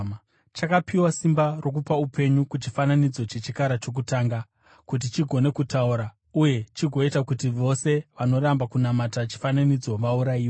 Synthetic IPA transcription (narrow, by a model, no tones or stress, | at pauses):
t͡ʃakapiwasimbarʔo̞kupaupʰe̞ɲukut͡ʃifananid͡zo̞t͡ʃe̞t͡ʃikaɾat͡ʃo̞k̬utaːŋɡa | kut̬it͡ʃiɡʱo̞ne̞kutauɾa | uje̞t͡ʃiɡʱo̞itakutiʋo̞se̞ʋano̞ɾambakunamatat͡ʃi̥fananid͡zo̞ʋauɾaiːo